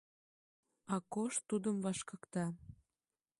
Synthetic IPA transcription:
ɑkoʃt̪ːud̪əmvɑʃkɤkt̪ɑ

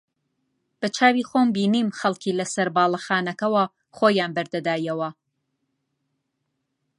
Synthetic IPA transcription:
b̥ɐt͡ʃʰaːwiːxoːmbiːniːmxɐlˠkʰiːlɐsɐɾbaːlˠɐxaːnɐkɐwɐ | xoːjaːnbɐɾd̪ɐd̪aːjɐwɐ

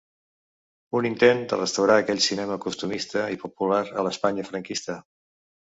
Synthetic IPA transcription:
unint̪end̪ərəst̪əwɾaːkɛʎʲsinɛməkust̪umist̪əipupulaɾələspaɲəfɾəŋkist̪ə

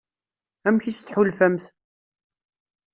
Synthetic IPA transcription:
æmçist̪ħulfæmθ

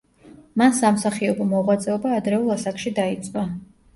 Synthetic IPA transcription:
mansamsaχiɔbɔmɔʁwat̪sʼɛɔbaːd̪ɾɛulˠasakʰʃid̪ait̪sʼqʼwa

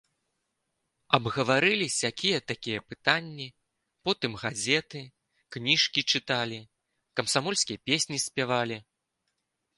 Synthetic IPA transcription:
ɐbɣɐvaɾɨlʲisʲjakʲijɛt̪akʲijɐpɨt̪anʲːi | pɔt̪ɨmɣazʲɛt̪ɨ | knʲiʂkʲit͡ʂɨt̪alʲi | kɐmsamɔlʲskʲijɐpʲesʲnʲisʲpʲavalʲi

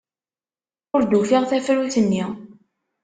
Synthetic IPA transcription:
ʊɾd̪ufiʁθæfɾuθənːi

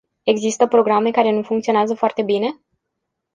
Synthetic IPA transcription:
e̞ɡzist̪əpɾo̞ɡɾame̞kaɾe̞nufuŋkt̪sioneazəfoart̪e̞bine̞

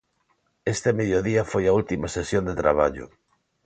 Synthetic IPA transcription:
est̪emeðjoðiɐfojɐult̪imɐsesjond̪et̪ɾa̰β̞aʎʊ̰

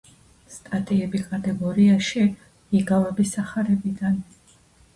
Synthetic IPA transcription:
st̪ʼat̪ʼiɛbikʼat̪ʼɛɡɔɾiaʃi | iɡavɛbisaχaɾɛbid̪an

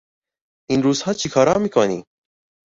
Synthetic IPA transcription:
inɾuːzhɑːt͡ʃʰikʰɑːɾɑːmikɑːnḭː

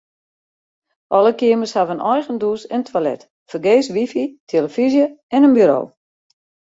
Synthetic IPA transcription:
ʔɔlˠəkiəməshaʋənɔjɣənduəsɛntʰwalɛ̰t | fərɡeːsʋifitʰeləfizjəɛnənbyɾo̰ː

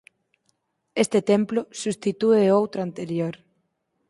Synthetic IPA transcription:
est̪et̪ẽmplosust̪it̪ueowt̪ɾant̪eɾjoɾ

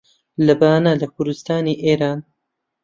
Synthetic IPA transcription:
lɐbaːnalɐkʰʊɾd̪ust̪aːniːʔeːɾaːn

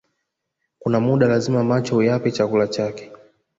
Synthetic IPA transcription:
kunamuɗalazimamat͡ʃɔhujapɛt͡ʃakulat͡ʃakɛ̥

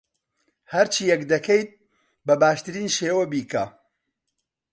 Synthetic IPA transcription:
hɐɾt͡ʃʰiːjɛkd̪ɐkʰejt̪̚ | bɐbaːʃt̪ɨɾiːnʃeːwɐbiːka

